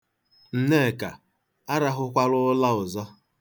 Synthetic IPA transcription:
n̩˨ne˦˨ka̰˨ | a˦ɾa˦ɦʊ˦kʷa˦ɾʊ˦la˦ʊ˨zɔ˦

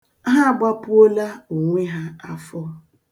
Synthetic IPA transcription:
ɦa˦˨ɡ͡ba˦pʊ˦o˦la˦u˨ŋʷi˦ɦa˦a˦fɔ˦

